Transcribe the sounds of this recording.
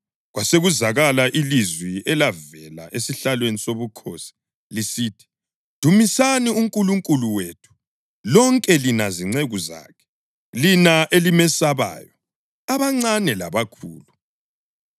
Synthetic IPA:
ɣwaseɣuzaɣalaʔilizwiɛlavɛla̰ʔesiɬalwenisoβukʰoːsi̥ | lisiːtʰi̥ | d̥ʱumisaniuŋkʼuluŋkʼuluweːtʰu̥ | lɔŋkʼɛlinaziŋ͡ǀeɣuza̰ːkʰɛ̥ | linaʔelimɛsaβa̰ːjɔ | aβaŋ͡ǀanɛla̰βakʰṵːlu

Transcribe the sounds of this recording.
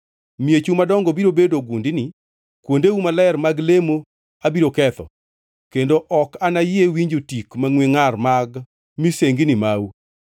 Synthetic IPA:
miet͡ʃumadɔŋɡɔbiɾobedoɡundɪnɪ | kwondeumalɛrmaɡlemo | abiɾokɛt̪ɔ̰ | kendoʔɔkanajɪewiɲd͡ʒotikmaŋwiŋarmaɡ | miseŋɡinimau

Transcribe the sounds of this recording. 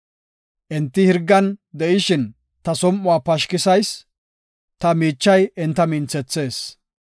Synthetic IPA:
ʔɛnt̪ːɪhɪɾɡːɐnd̪ɛʔɪʃɪn | t̪ɐsɔmʔʊaːpɐʃkɪsɐjs | t̪ɐmiːt͡ʃːɐjɪnt̪ːɐmɪnt͡sːɛt͡sːe̞ːs

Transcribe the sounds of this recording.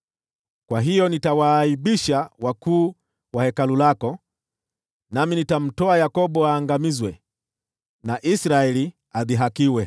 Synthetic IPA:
kwaɦijɔnitawaiɓiʃawakuː | wahɛkalulakɔ | naminitam̩tɔajakɔɓɔaːŋɡamizwɛ | naʔisɾaɛli | aðiɦakiwɛ

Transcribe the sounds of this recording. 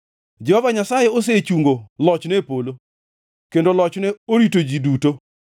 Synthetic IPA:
d͡ʒɛhɔvaɲasajeos̬et͡ʃuŋɡolɔt͡ʃnɛpolo | kendolɔt͡ʃnɛoɾitod͡ʒiduto

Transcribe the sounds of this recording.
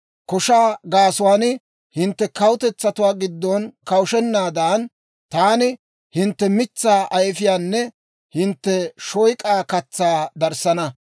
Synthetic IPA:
kɔʃaːɡaːsʊwaːnɪ | hɪnt̪ːɛkɐwʊt̪ɛt͡sːɐt̪ʊwaːɡɪd̪ːɔnkɐwʊʃɛnːaːd̪aːn | t̪aːnɪ | hɪnt̪ːɛmɪt͡sːaːʔɐjfɪjaːnːɛ | hɪnt̪ːɛʃɔjkʼaːkɐt͡sːaːd̪ɐɾsɐnɐ

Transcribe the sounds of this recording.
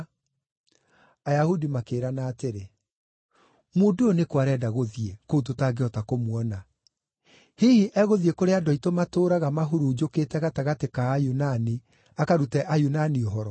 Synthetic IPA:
ajahudimakeːɾanaːteɾe | modoonekwaɾɛdaɣoðiekoutotaɡeɔtakomwɔna | hihiʔɛɣoðiekoɾeadɔitomatoːɾaɣamaɦuɾud͡ʒokeːtɛɣataɣatekaːjunani | akaɾutɛʔajunanioɦɔɾɔ

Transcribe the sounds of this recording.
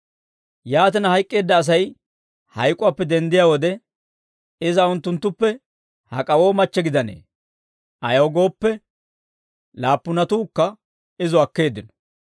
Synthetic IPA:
jaːt̪ɪnɐhɐjkʼːe̞ːd̪ːɐːs̬ɐj | hɐjkʼːʊwaːpːɛd̪ɛnd̪ɪjaːwɔd̪ɛ | ɪzɐʊnt̪ːʊnt̪ːʊpːɛ | hɐ̰kʼɐwo̞ːmɐt͡ʃːɛɡɪd̪ɐne̞̰ː | ʔɐjɐwɡo̞ːpːɛ | laːpːʊnɐt̪uːkːɐ | ɪzʊɐkːe̞ːd̪ːɪnɔ̥

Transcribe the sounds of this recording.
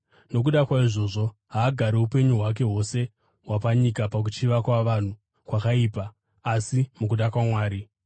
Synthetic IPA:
no̞k̬uɗakwaiʐo̞ːʐo̞ɦaːɡʱaɾeupe̞ɲuɦwak̬e̞ɦo̞se̞ | wapaɲikapak̬ut͡ʃiʋakwaʋan̤u | kwakaiːpaː | simuk̬uɗakwamwaːɾi

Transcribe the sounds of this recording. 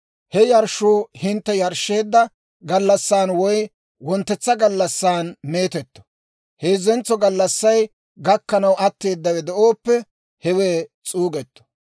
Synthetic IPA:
hɛjɐɾʃuːhɪnt̪ːɛjɐɾʃːe̞ːd̪ːɐ | ɡɐlːɐsːaːnwɔj | wɔnt̪ːɛt͡sːɐɡɐlːɐsːaːnme̞ːt̪ɛt̪ːɔ̥ | heːzːɛnt͡sːɔɡɐlːɐsːɐj | ɡɐkːɐnɐwɐt̪ːe̞ːd̪ːɐwɛd̪ɛʔoːpːɛ | hɛweːt͡sʼuːɡɛt̪ːɔ̥

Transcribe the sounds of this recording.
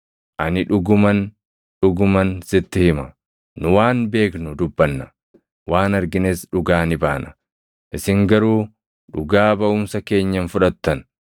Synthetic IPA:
ʔɐnɪᶑʊɡʊmɐn | ᶑʊɡʊmɐnsɪt̪ːɪhɪmɐ | nʊwaːnbe̞ːknʊd̪ʊbːɐnːɐ | waːnɐɾɡɪnesᶑʊɡaːnɪbaːnɐ̥ | ʔɪsɪŋɡɐɾuː | ᶑʊɡaːbɐʔʊmsɐke̞ːɲːɐnfʊᶑɐt̪ːɐn

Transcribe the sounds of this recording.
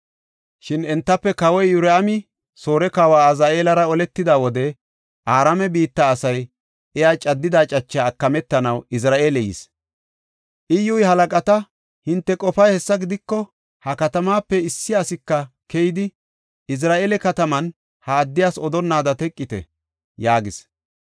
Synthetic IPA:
ʃɪnɛnt̪ːɐpːɛkɐwɔjːʊɾɛɐmɪ | soːɾɛkawaːɐzaːʔeːlɐɾɐɔlɛt̪ːɪd̪awɔd̪ɛ | ʔaːɾamɛbiːt̪ːaːsɐj | ʔɛjaːt͡ʃʼɐd̪ːɪd̪aːt͡ʃʼɐt͡ʃːaːkːɐmɛt̪ːɐnɐwɪs̬ɾaːʔeːlɛjɪ̰s | ʔɪjːʊjɦɐlɐkʼɐt̪ɐ | hɪnt̪ːɛkʼɔfɐjhɛsːɐɡɪd̪ɪkːɔ | hɐkɐt̪ɐmaːpːɛɪsːɪasɪkːɐ | kɛjɪd̪ɪ | ɪs̬ɾaːʔeːlɛkɐt̪ɐmɐn | hɐːd̪ːɪjaːsɔd̪ɔnːaːd̪ɐt̪ɛkʼːɪt̪ɛ̰ | jaːɡɪs

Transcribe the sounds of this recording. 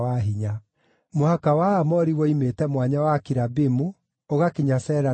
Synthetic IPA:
aɦiɲa | mohakawaamɔɾiwɔimetɛmwaɲawakiɾabimu | oɣakeɲasɛːɾa

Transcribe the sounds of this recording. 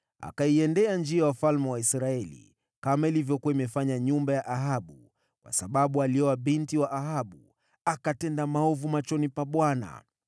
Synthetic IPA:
a̰kaiɛndɛand͡ʒiawafalmɛwaisɾaɛlḭ | kamailivjɔkuwaimɛfaɲaɲumbajaʔaɦaɓu | kwa̰saɓaɓualiɔwaɓintiwaʔaɦaɓu | akatɛndamaɔvumat͡ʃɔnipaɓwana̰

